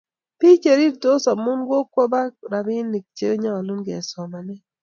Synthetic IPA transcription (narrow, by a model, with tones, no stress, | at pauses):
pi˦t͡ʃe˨ɾi˦ɾto˦sa˨mʊ˦nɡo˦kwo˦ba˦ɾa˨ɾɪ˦nːi˨k̚t͡ʃḛ˦ɲa˦a˨lu˦nɡɛ̰˨sɔ˨ma˨nɛ˦